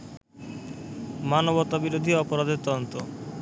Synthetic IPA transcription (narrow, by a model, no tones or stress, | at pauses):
manobɔt̪ːabiɾod̪ʱiɔpoɾad̪et̪ɔd̪ont̪o